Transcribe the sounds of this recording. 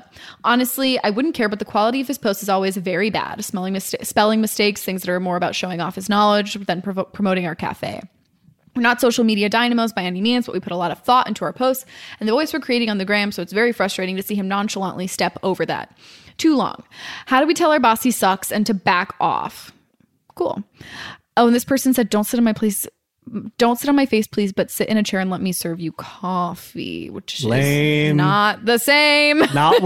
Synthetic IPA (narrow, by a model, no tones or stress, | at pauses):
ʔɑnɨstˡlia̰ɪwʊdⁿn̩kʰɛɹbʌt̪̚ðəkʰw̥ɑlˠəɾiʌv̥ɨz̥pʰoʊstɨzɔlˠwizvɛɹibæ̰d̥sɛlˠɪ̃ŋmɨsspɛlˠɪ̃ŋmɨsteɪksθɪ̃ŋzðɨɾə˞mɔɹəbaʊtʃoʊɪ̃ŋɔfhɨznɑlˠɪd͡ʒðɨ̃nʰpʰɹ̥əmoʊɾɪ̃ŋaʊə˞kʰæ̰fḛɪ | ə˞nətsoʊʃl̩ˠmiɾiɨdãɪ̃nɨmoʊzbaɪɛnimĩnzbʌ̰ʔ̚wipʊɾəlɔɾʌv̥θɔɾɪ̃ntʰuaʊə˞pʰoʊstɨ̃n̩ðɨbɔɪswə˞kʰɹ̥ieɪɾɪ̃ŋə̃nðɨɡɹæ̃msoʊɨtsvɛɹifɹʌstɹeɪɾɪ̃ŋtɨsiɨ̃mnɑ̃nʃəlˠə̰̃nʔlistɛpoʊvə˞ðæ̰t̚ʰ | ʉlɔ̰̃ŋhaʊɾəwitʰɛlˠə˞bɑsisʌksɨ̃ntʰɨbækɔ̰f | kʰṵlˠ | ow̃nðɪspʰɜ˞sn̩sɛdõʊ̃ntsɪɾn̩maɪpʰl̥eɪs | d̥õʊ̃ntsɪɾn̩maɪfeɪspʰl̥izbʌtsɪɾʔɨ̰̃ñɨt͡ʃʰɛɹɨ̃nlɛt̚misɜ˞vjɨkʰɔfḭwɪ̰t͡ʃlemnət̪̚ðɨsẽɪ̃mnə